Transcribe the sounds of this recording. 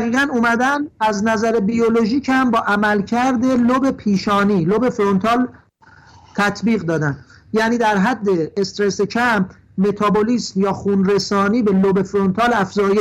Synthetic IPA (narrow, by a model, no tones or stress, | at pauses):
ɣiːɣænumæd̪ænæznæzæɾebijolo̞ʒiːchæmbɒːʔæmælcʰæɾd̪e̞lobe̞pʰiːʃɒːniːlobe̞fɾont̪ʰɒːl | t̪ʰæt̪ʰbiːɣd̪ɒːd̪ænd̪ | jæːniːd̪æɾɦæd̪ːe̞ːst̪ɾesecʰæmp | me̞t̪ʰɒboliːsmjɒːxunɾe̞sɒːniːbe̞lobe̞fɾont̪ʰɒːlæfzɒːje